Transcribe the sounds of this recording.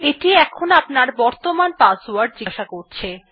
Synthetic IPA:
eʈiɛkʰonapnaɾbɔɾt̪omanpasuaɾɖ̚d͡ʑiʃakoɾt͡ɕʰe

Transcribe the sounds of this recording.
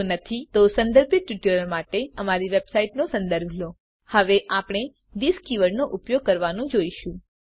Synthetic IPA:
nət̪ʰit̪osə̃nd̪əɾbit̪ʋiʈəɾəɾmaʈeəmaɾiʋebsaiʈnosə̃nd̪əɾbʱlo | həʋeʔapɳ̃e | d̪iskiʋəɽnoʔupjoɡ̚kəɾʋanũd͡ʒoiʃũ

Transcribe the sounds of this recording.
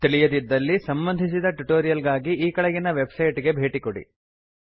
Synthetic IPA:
t̪iɭijɐd̪id̪ːɐlːisɐmbɐnd̪ʱisid̪ɐʈuʈoːɾijɐlɡaːɡiʔiːkɐɭɛɡinɐʋe̞bsɐjʈiɡe̞bʱe̞ːʈikoɽḭ

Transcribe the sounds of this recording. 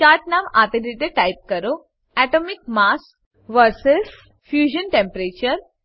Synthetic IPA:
t͡ɕaʈnamat̪ed̪iʈ̪eʈajp̚kəɾo | æʈomik̚mas | ʋəɾsəls | fjuʑənʈẽmpəɾet͡ɕəɾ

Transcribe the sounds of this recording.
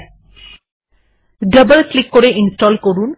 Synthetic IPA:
ɖəbəlklikːoɾeʔinsʈɔːlkoɽun

